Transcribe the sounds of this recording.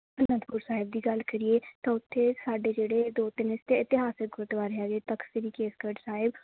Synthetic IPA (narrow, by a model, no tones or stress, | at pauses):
əɾməd̪puːɾsaːɦɪb̚d̪iːɡəlkəɾieːt̪ãːʊt̪ʰːeːsaːɖeːd͡ʒeːɽeːd̪oːt̪ɪnɪst̪eːɪt̪ɪɦaːsɪk̚ɡʊt̪ʋaːɾeaːɡeːt̪əkseɾiːkeːskəɖsaːɦɪb